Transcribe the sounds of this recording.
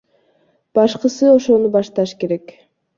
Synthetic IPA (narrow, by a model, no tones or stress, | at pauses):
b̥ɑʃqəsɨo̞ʃo̞nubɑʃt̪ɑʃke̞ɾe̞k